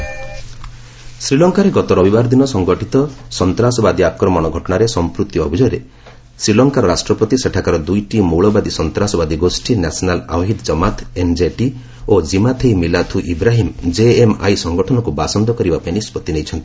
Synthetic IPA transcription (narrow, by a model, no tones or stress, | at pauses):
sɾilɔŋkaɾeɡɔt̪ɔɾɔbibaɾɔd̪inɔsɔŋɡɔʈʰit̪ɔsɔnt̪ɾasɔbad̪iap̚kɔɾɔmɔñɔɡʱɔʈɔɳaɾesɔmpɾut̪jɔɔ̰bʱid͡ʒɔjɾe | sɾilɔŋkaɾɔɾasʈɾɔpɔt̪iseʈʰakaɾɔd̪ujʈimuɭɔbad̪isɔnt̪ɾasɔbad̪iɡosʈinasɔnala̰ɦid̪d͡ʒɔmat̪end͡ʒeʈi | od͡ʒimat̪ʰejmilat̪ʰuʔibɾaɦimd͡ʒeema̰jsɔŋɡɔʈʰɔnɔkubasɔnd̪ɔkɔɾibapainispɔt̪inejt͡ʃʰɔnt̪i̥